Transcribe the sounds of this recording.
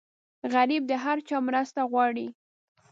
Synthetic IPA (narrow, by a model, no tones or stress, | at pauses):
ɣaɾib̚d̪əɦaɾt͡ʃɑmɾəst̪aɣwɑɽi